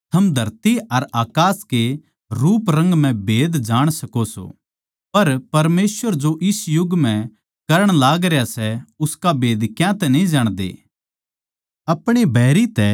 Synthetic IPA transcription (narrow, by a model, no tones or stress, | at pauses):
t̪ʰɐmd̪ʱɐɾt̪iɐɾaːkaːske | ɾuːpɾɐ̃ŋɡm̤ɛ̃beːd̪d͡ʒaːɽ̃sɐkoso̰ː | pɐɾpɐɾmeːsʋəɾd͡ʒoʔɪsjʊɡmɛ̃ | kɐɾəɽ̃laːɡɾejasɛʊskabeːd̪kjãt̪ɛnɐĩd͡ʒaːɽ̃d̪ḛː | ɐpɽ̃ibʱɛːɾit̪ɛ